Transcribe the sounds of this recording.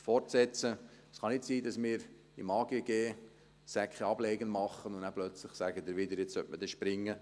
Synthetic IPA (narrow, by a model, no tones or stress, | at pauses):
fɔrtsɛt͡sə | sχɑnɪtsiːdɑsmɪːɾ | imɑːɡ̥eəɡ̥eː | sækχɛɑbleɪɡənmɑχːənʊnnæplœt͡slɪχsæɡəd̪ɪɾʋɪd̪əɾjɛt͡sœtməd̥ɛʃpɾɪŋːə